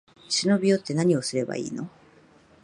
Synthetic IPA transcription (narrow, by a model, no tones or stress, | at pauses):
ɕino̞bʲijo̞t̪ːe̞naɲ̟io̞sɨɾe̞ba̰ḭːno̞